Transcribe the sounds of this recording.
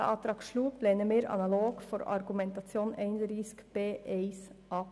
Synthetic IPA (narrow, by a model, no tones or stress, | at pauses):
ə̰ʔɑt̪ʰɾɑkʃluːblenəmeːɾɑ̰nɑloːɡ̥fɔɾɑ̰ɾɡʉmɛnt̪ɑsjuːneɪnɾɪskb̥eːʔeɪsɑː